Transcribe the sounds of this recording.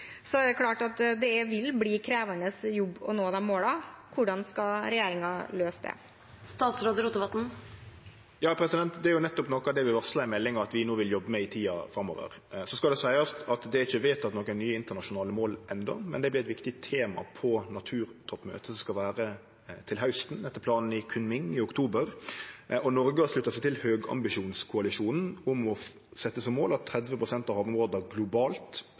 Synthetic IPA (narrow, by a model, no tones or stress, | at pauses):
sɔæɛkʰlɑːʈɑt̪d̪ɛʋɪlbliːkʰɾeːʋəɳəsjɔbːɔnoːd̪ɛmoːlɑkʰʊɖɑnskɑɾɛjeːɾɪŋɑløːsd̪ɛ̰ | st̪ɑːt̪sɾoːd̪əɾuːt̪əʋɑt̪n̩ | jɑːpʰɾɛsɪd̪ɛnt̪d̪ɛæɾjʊnɛt̪ːɔpnɔkːɑd̪ɛʋɪʋɑʁslɑæmɛlːɪŋɑɑt̪ʋɪnoːʋɪljɔbːəmɛɪt̪ʰiːɑ̰fɾɑmːo̰ːʋə̰ɾ | sɔskɑld̪ɛsæɪɑst̪ɑt̪d̪ɛæɾɪçːəʋeːt̪ɑt̪nɔkənyːəɪnt̪əɾnɑʃʊnɑːləmoːlʔɛnd̪ɔ̰mɛ̰nd̪ɛblɪɾɛt̪ʋɪkt̪ɪt̪ʰeːmɑ̰pʰɔnɑt̪ʰʉːɾt̪ʰɔpːmø̰ːt̪əsskɑlʋæːɾə | t̪ʰɪlɦaʉst̪n̩ɛt̪ːəpʰlɑːnn̩ɪkʰʉnmɪŋɪʊkt̪ʰuːbəɾ | ɔnɔɾɡəɑʂlʉt̪ːəsæɪt̪ɪlhøːɡɑ̰mbɪʂuːnskʰʊɑlɪʂuːnn̩ʊmɔ | sɛt̪ːəsɔmːoːlɑt̪ʰːɾɛd̪ʋəpʰɾʊsɛnt̪ɑʋhɑːʋmoːd̪əɡlʊbɑːlt̪